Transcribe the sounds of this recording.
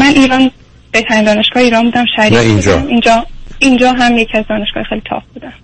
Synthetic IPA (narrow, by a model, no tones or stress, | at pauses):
mænʔiːɾɒːn | b̥eht̪ʰænind̪ɒːne̞ʃɡ̥ɒːheiːɾɒːnmbuːd̪æmʃæɾniind͡ʒɒ̰mind͡ʒɒːind͡ʒɒːɦæmjecʰiæzd̪ɒːneʃɡ̥ɒ̰ːhjexejlit̪ʰɒ̰ːp̚b̥uːd̪æm